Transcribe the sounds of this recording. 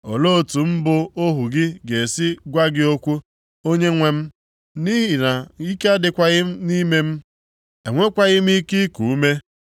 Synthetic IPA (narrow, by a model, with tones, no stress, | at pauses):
o˨lo˦o˨tu˨m̩˦bʊ˨o˦ɦu˨ɡɪ˦ɡe˨sɪ˦ɡʷa˦ɡɪ˦o˦kʷu˦ | o˦ɲe˦ŋʷe˦m̩˦ | ni˦ɦi˨na˨i˦ke˦a˦dɪ˨kʷa˦ɣɪ˦m̩˦ni˦me˦m̩˦ | e˨ŋʷe˦kʷa˦ɣɪ˦m̩˦i˦ki˦ku˨u˦me˦